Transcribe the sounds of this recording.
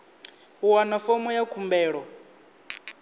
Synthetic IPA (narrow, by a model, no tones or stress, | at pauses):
wanafɔmɔjakʰumbɛːɺɔ